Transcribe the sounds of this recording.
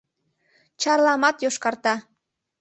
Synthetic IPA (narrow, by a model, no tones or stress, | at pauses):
t͡ɕɑrlɑmɑt̪joʃkɑrt̪ɑ